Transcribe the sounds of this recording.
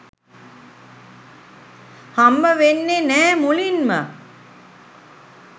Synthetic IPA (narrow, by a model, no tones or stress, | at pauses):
hambəʋenːenɛːmulinmə